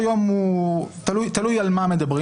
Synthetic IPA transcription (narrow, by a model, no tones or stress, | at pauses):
jomut̪alujt̪alujalmamed̪ɐbʁi